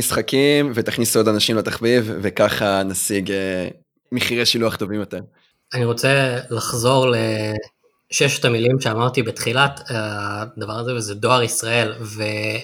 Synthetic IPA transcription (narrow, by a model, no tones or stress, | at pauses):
isχakimvet̪aχnisuodanaʃimlet̪aχvivvekaχanasiɡe | miχiʁeʃiluaχt̪o̞vimjo̞t̪eʁ | aniʁo̞t͡selaχzo̞ʁle | ʃeʃe̥t̪amilimʃeamaʁt̪ibet̪χilatad̪avaʁazevezedo̞aʁisʁae̞lve̞